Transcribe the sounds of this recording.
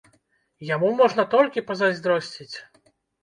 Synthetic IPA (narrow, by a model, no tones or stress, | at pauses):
jamumɔʐnɐt̪ɔlʲkʲipɐzazʲd̪ɾɔsʲt͡sʲit͡sʲ